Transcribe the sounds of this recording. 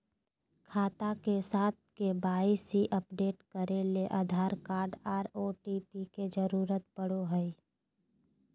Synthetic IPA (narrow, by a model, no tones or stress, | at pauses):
kʰaːt̪akesaːt̪̚ʰkebaːisiʔəpɖeːʈkəɾeleʔaːd̪ʱaːɾkaːɾɖaːɖoːʈipiked͡ʒəɾuːɾət̪̚pəɽ̤oɦəi